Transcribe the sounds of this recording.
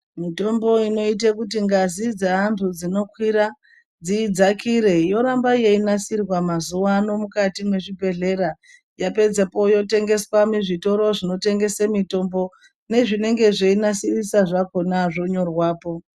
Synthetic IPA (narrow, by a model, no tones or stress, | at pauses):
mito̞mbo̞ino̞it̬ekut̬iŋɡazid͡zaantʰud͡zino̞kwiɾa | d͡ziːd͡zakiɾe̞jo̞ɾambajeinasirwamazuwano̞mukatimwe̞ʐibʱe̞ɮe̞ɾa | jape̞d͡zepo̞jo̞te̞ŋɡe̞swamiʐito̞ɾo̞ʐino̞te̞ŋɡe̞semito̞mbo̞ | ne̞ʐine̞ŋɡe̞ʐeinasirisaʐako̞naʐo̞ɲo̞rwaːpo̞